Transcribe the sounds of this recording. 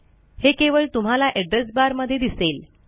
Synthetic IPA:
hekeʋəɭt̪um̤alaʔɛɖɾes̬baɾməd̪ʱːjed̪isel

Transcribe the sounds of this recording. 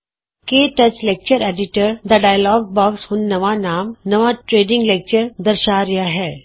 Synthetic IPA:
keːʈɐt͡ʃlek̚t͡ʃəɾeːɖɪʈəɾd̪ɐɖaːjlɔːɡ̚bɔːksɦʊ̃nːɐʋanaːmnɐʋaʈɾeːɖɪ̃ŋɡlek̚t͡ʃəɾd̪ɐɾʃaːɾjaɦɛː

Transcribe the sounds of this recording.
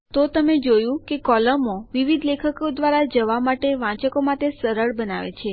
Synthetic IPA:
t̪ot̪əmed͡ʒojũkekɔləmoʋiʋid̪lekʰəkod̪ʋaɾad͡ʒəʋamaʈeʋãt͡ʃəkomãt̪esəɾəɭbənaʋḛt͡ʃʰe

